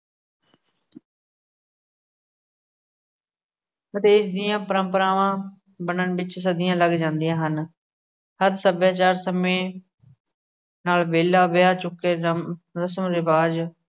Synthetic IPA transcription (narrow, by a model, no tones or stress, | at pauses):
ət̪eːɪsd̪ɪjãːpəɾəmpəɾaːʋãː | bənənbɪt͡ʃsəd̪ɪjãːləɡd͡ʒãːnd̪ijãːɦən | həɾsəbjaːt͡ʃaːɾsəmẽː | naːlbeːlaːbɪjaːt͡ʃʊkːeːɾəsəmɾɪbaːd͡ʒ